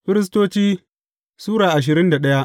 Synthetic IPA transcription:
ɸɪ˦ɾɪ˦s̬toː˦t͡ʃiː˦ | suː˦ɽaː˨ʔa˨ʃ̬ɪ˨ɾɪ˦nda˨ɗɐ˦ja˦ʔ

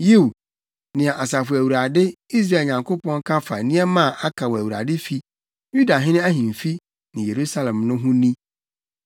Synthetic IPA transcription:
ji˦˨w | nɪ̃˨ɛ˨ʔa˨sa˨fʊ˨æ˨wu˨ɾa˨dɪ˦i˦s̬ɾa˦e˨lɲã˨ŋkʰo˦pɔ̃˦ŋ˦kʰa˦fa̰˨nĩ˦ɛ˦mã˦˨ʔa˦kʰa˨wæ˨wu˨ɾa̰˨dɪ˦fi˦ | ju˦da˨ɦɪ̃˦nɪ̃˦æ˦ɦĩ˨m˨fi˦ | nɪ̃˨je˨ɾu˦sa˦lɛ̃˨mnʊ̃˦ɦʊ̃˦nĩ˦

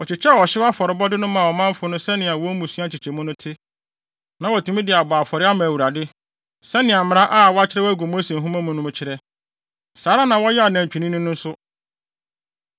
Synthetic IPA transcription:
wɔ˨t͡ɕɪ˨t͡ɕʰɛ˦˨wɔ˨ɕɪ˦wa˦fɔ˨ɾɪ˨bɔ˦dɪ˦nʊ̃˦mã˨wɔ˨mã˦m˦fʊ˨˦nʊ̃˦sɛ˦nɪ̃˨a˨wɔ̃˦mũ˨su˦a˦˨t͡ɕʰɪ˨t͡ɕʰɛ˨mʊ̃˦nʊ̃˦tʰɪ˦ | nã˦wɔ˨tʰũ˨˦mĩ˦dɪ˨a˨baː˨fɔ˨ɾɪ˦a˦mã˨wu˨ɾa˨dɪ˦ | sɛ˦nɪ̃˨a˨m̩mɪ̃˨ɾ̃ã˦ʔa˦˨wɔ˦a˦t͡ɕʰɪ˦ɾɛ˦wæ˦ɡo˨mo˦se˨ɦũ˦mã˦mʊ̃˦nʊ̃˦mʊ̃˦t͡ɕʰɪ˦ɾɛ˦ | saː˨˦ɾa˦nã˨wɔ˦jɛ˦a˨nã˨ɲ˨t͡ɕᶣi˨nĩ˦nʊ̃˦nʊ̃˦n̩˦sʊ˦

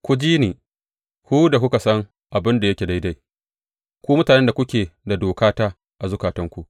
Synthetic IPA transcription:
kʷʊ˦d͡ʒiː˦niː˨ | kʷu˦da˨kʷʊ˦ka˨sɐ˦ŋ | ʔa˨bɪ˦nda˨jɐ˦kʲe˨da˦jda˦j | kʷuː˦mʊ˦taː˨nɛ˦nda˨kʷʊ˦kʲeː˨da˨doː˨kaː˦taː˦ | ʔa˨zʊ˦kaː˨tɐ˦ŋkʷu˦ʔ

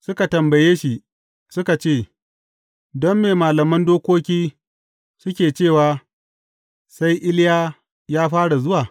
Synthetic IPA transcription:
sʊ˦ka˨tɐ˨mbɐ˨jeː˦ʃi˨ | sʊ˦ka˨t͡ʃeː˦˨ | dɔ˦mːeː˨maː˨lɐ˨mɐ˦ndoː˦kʷoː˦kʲiː˦ | sʊ˦kʲeː˨t͡ʃeː˦˨waː˨ | sa˦jʔɪ˦ljaː˦ | jaː˦ɸaː˦ɽa˨zʊ˦waː˨

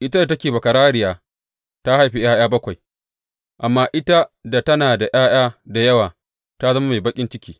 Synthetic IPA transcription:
ʔɪ˦ta˦da˨tɐ˦kʲeː˨bɐ˨kɐ˨ɾaː˦ɽɪ˦jaː˨ | ta˦ha˦jɸi˨j̰aː˦j̰aː˦bɐ˦kʷa˨j | ʔa˨mːaː˦ʔɪ˦ta˦da˨tɐ˦naː˨da˨ʔj̰aː˦j̰aː˦da˨jɐ˦waː˨ | ta˦zɐ˦ma˦ma˨bɐ˦kʲʼɪ˦nt͡ʃɪ˦kʲiː˨

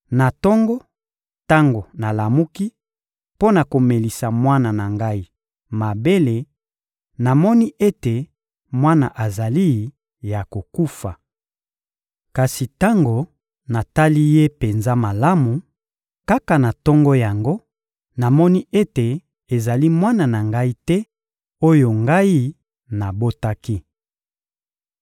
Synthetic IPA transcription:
na˨tɔ˦ŋɡɔ˦ | ta˦ŋɡo˨na˨la˨mu˦ki˦ | po˦na˨ko˨me˨li˨sa˨mwa˦na˨na˨ŋɡa˦i˦ | ma˨be˦le˨ | na˨mɔ˦ni˦ʔe˦te˨ | mwa˦na̰˨ʔa˨za˨li˦ | ja˨ko˨ku˦fa˨ | ka˨si˨ta˦ŋɡo˨ | na˨ta˦li˦je˦pe˨nza˦ma˨la˦mu˨ | ka˦ka˨na˨tɔ˦ŋɡɔ˦ja˨ŋɡo˦ | na˨mɔ˦ni˦e˦te˨ | e˨za˨li˦mwa˦na˨na˨ŋɡa˦i˦tɛ˦ | o˦jo˨ŋɡa˦i˦ | na˨bo˦ta˦ki˦

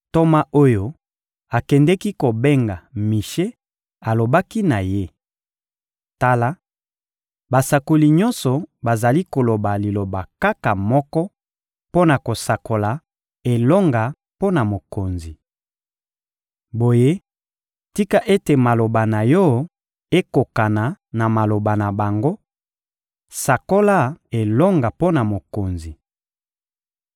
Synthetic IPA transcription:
to˦ma˦ʔo˦jo˦ | a˨kɛ˨ndɛ˦ki˦ko˨be˦ŋɡa˨mi˨ʃe˦ | a˨lo˨ba˦ki˦na˨je˦ | ta˦la˦ | ba˨sa˨ko˨li˨ɲɔ̃˦nsɔ˨ba˨za˨li˦ko˨lo˨ba˨li˨lo˨ba˨ka˦ka˨mɔ˦kɔ˦ | po˦na˨ko˨sa˨ko˨la˨ | e˨lɔ˦ŋɡa˨ | po˦na˨mo˨ko˨nzi˨ | bo˨je˦ | ti˦ka˦ʔe˦te˨ma˨lo˨ba˨na˨jɔ˦ | e˦ko˨ka˨na˨na˨ma˨lo˨ba˨na˨ba˨ŋɡo˦ | sa˨ko˦la˦e˨lɔ˦ŋɡa˨po˦na˨mo˨ko˨nzi˨

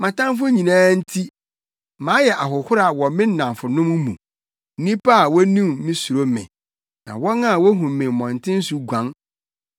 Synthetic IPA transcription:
mã˨tã˦m˦fʊ˦ɲĩ˨nãː˦n̩˦tʰi˦ | mãː˨˦jɛ˨ʔa˨ɦʊ˨hʊ˦ɾa˨wɔ˨mɪ̃˦nã˨mfʊ˨nʊ̃˦m̃˦mṵ̃˨˦ | nĩ˦pʰa˦a˨wɔ˦nũ˦mmĩ˦su˨ɾo˦mɪ̰̃˨ | nã̰˨wɔ˦nã˦a˨wɔ˦ɦũ˨mːɪ̃˨mɔ̃˨n˨tʰɪ̃˦n̩˦su˦ɡʷã˦n

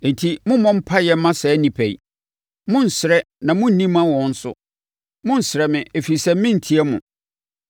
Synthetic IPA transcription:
n̩˨tʰi˦mʊ̃˦mɔ̃˦m̩˦pʰa˦jɛ˨mːã˦sɛ˨˦nĩ˨pʰæ˨ḭ˨ | mʊ̃˦n̩˨sɪ˨ɾɛ˦ | nã˨mʊ̃˦n̩˨nĩ˦mã˦wɔ̃˨n̩˦sʊ̰˦ | mʊ̃˦n̩˨sɪɾɛ˨mɪ̃˨e˨fi˨sɛ˦m̩˦mɪ̃˦n̩˨tʰi˨˦ɛ˦mʊ̰̃˨

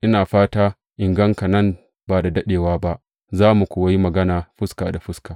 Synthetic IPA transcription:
ʔɪ˦naː˨ɸaː˦taː˦ | ʔɪ˨ŋɡɐ˦ŋka˨nɐ˦˨m | baː˨da˨dɐ˦ɗeː˨waː˦ba˦ʔ | zaː˦mu˨kʷʊː˨wa˦ji˦mɐ˨ɡɐ˦naː˨ɸʊ˦skaː˨da˨ɸʊ˦skaː˨

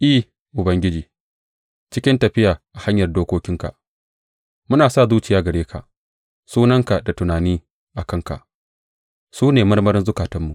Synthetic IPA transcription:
ʔi˦˨ | ʔʊ˨bɐ˦ŋɡʲɪ˦d͡ʒiː˨ | t͡ʃɪ˦kʲɪ˦ntɐ˨ɸɪ˦jaː˨ʔa˨ha˦ɲjɐ˨rdoː˦kʷoː˦kʲɪ˦ŋka̰˨ʔ | mʊ˦naː˨sa˦˨zuː˦t͡ʃɪ˨jaː˨˦ɡɐ˨ɽeː˦kʰa̰˨ʔ | suː˦nɐ˦ŋka˨da˨tʊ˨naː˨niː˦ | ʔa˨kɐ˦ŋka̰˨ʔ | suː˦neː˨mɐ˦rmɐ˦ɾɪ˦nzʊ˦kaː˨tɐ˦mːu˨ʔ

